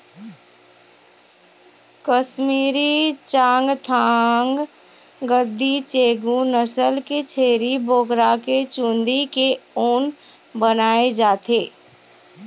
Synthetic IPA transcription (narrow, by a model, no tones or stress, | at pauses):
kəʃmiːɾit͡ʃãːŋɡt̪ʰaːŋɡ | ɡəd̪ʱːit͡ʃeːɡũnəsəlket͡ʃʰeːɾiboːkɾaket͡ʃũːnd̪ikeoːn | bənaːed͡ʒaːt̪eː